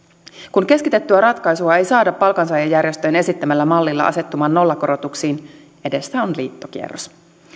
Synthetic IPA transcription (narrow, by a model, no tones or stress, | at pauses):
kunke̞skit̪e̞t̪ːyæɾɑt̪kɑjsuɑe̞jsɑːdɑpːɑlkɑnsɑjɑjːærje̞st̪øjne̞sit̪ːæmælːæmɑlːilːɑ̰ʔɑ̰se̞t̪ːumɑːnːo̞lːɑko̞ɾo̞t̪uksiːn | e̞de̞sːæonliːt̪ːok̟ḭḛrːos